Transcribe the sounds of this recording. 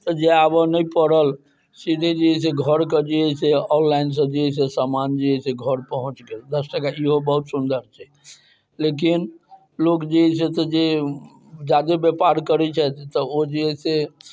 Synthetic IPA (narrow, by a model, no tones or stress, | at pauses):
t̪əd͡ʒeabənəjpəɾəl | sid̪ʱed͡ʒiɦɛs̬eɡʱəɾkəd͡ʒiɛseɔnlains̬əd͡ʒiɛsesamand͡ʒiɛseɡʱəɾpəɦũt͡ʃɡeld̪əsʈakaiɦobəɦut̪sund̪əɾt͡ʃʰɛ | lek̬in | lokd͡ʒiɦɛset̪ɔd͡ʒe | d͡ʒad̪ebepaɾkəɾɛt͡ʃʰɛt̪t̪əod͡ʒiɦɛse